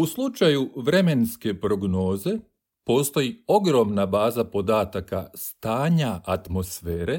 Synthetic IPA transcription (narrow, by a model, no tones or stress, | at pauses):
uslˠut͡ʃajuʋɾe̞me̞nske̞pɾo̞ɡno̞ːze̞ | poːst̪o̞jio̞ɡɾo̞mnabaːzapo̞d̪aːt̪akast̪aːɲaat̪mo̞sfeːɾe̞